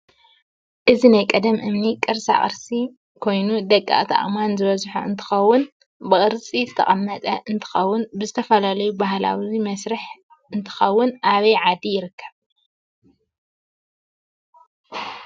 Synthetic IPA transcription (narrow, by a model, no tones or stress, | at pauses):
ʔɨzinajkʼɐd̪ɐmʔɨmnikʼɨɾsa̰χʼɨ̰ɾsi | kʰo̞jnud̪ɐkʼːa̰ʔt̪ʰa̰ʔʼmanzɨβɐzħṵɨ̰nt̪ʰɨ̥xɐwːʊn | bɨχʼɨɾt͡sʼizɨt̪ʰɐ̰χʼɐmːɐt̪ʼɐʔɨnt̪ʰɨ̥xɐwːʊnbɨzɨt̪ʰɐfɐlalɐjubaɦla̰wmɐsɾɨħ | ʔɨnt̪ʰɨ̥xɐwːʊnʔaβɐjʕad̪ijɪɾɨkːɐ̥β